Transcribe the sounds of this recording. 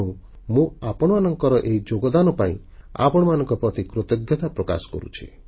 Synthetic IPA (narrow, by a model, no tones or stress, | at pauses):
ũ | mũapɔɽ̃ɔmanɔŋkɔɾɔʔeid͡ʒoɡɔd̪anɔpaḭ̃ | a̰pɔɽ̃ɔmanɔ̃ŋkɔpɾɔt̪ikɾot̪ɔɡjɔt̪apɾɔka̰sɔ̥kɔ̰ɾṵt͡ʃʰḭ